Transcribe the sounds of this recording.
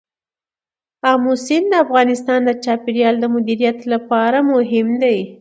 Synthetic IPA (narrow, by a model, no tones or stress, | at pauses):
amʊsɪnd̪əafɣɑnɪst̪ɑnd̪ət͡ʃɑpiɾjɑld̪əmʊd̪iɾijat̪lapɑɾamʊɦɪmd̪aj